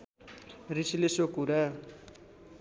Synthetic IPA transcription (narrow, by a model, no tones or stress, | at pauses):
risilesokuɾa